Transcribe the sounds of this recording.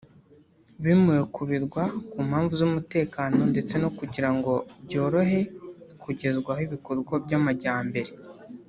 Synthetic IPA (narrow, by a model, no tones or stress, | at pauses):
βimujekuβiɾɡwakuːmhaːɱvuzumute̞ːkaːno̞nde̞t͡se̞no̞kuɟiɾaŋɡo̞bɟo̞ːɾo̞ɦe̞kuɟe̞zɡwahiβikoɾɡwobɟamaɟaːmbe̞ɾe